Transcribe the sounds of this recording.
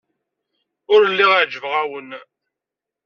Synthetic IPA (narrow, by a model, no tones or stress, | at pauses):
ʊɾəlːiʁaʕd͡ʒəvʁawən